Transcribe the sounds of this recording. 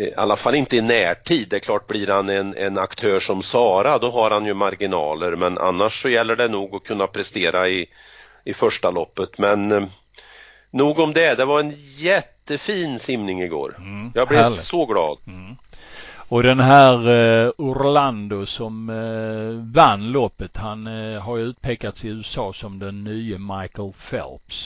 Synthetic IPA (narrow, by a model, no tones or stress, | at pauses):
a̰lːafalːɪnt̪əɪnæːʈʰiːd̪ːɛkʰlɑːʈ̚bliɾhanɛnɛ̰nakt̪ʰøːʂɔmsɑːɾad̪ɔɦaɾhanjɵmaɾɡɪnɑ̰ːləɾmɛnʔa̰nːaʂːɔjɛlːəɖɛnuːɡɔkʰɵnːapʰɾɛst̪eːɾaɪ | ɪfœʂʈalɔpːət̪mɛn | uːɡɔmd̪ɛd̪ɛvaɾɛnjɛt̪ːəfiːnsɪmnɪŋɪɡo̰ːɾjɑːblɪsɔɡlɑ̰ːd̪ | ɔd̪ɛnɦæːɾʊɾland̪ʊsɔm | vanːlɔpːət̪hanɦaɾjʉːt̪̚pʰeːkat̪sɪʉ̟ːəsɑːsɔmd̪ɛnːyːəmajkəlfɛ̰lps